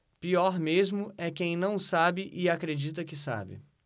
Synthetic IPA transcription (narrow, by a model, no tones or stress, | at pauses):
piɔɾmezmʊʔɛkẽj̃nɐ̃w̃sabɪʔɪakɾed͡ʒit̪̬ɐkɪsa̰bɪ̰